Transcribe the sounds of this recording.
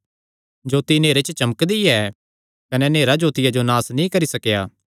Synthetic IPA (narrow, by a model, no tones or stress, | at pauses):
d͡ʒoːt̪ineːɾet͡ʃət͡ʃɐməkd̪iɛ | kɐnɛneːɾad͡ʒoːt̪ɪjad͡ʒonaːsnĩkɐɾisɐkjaː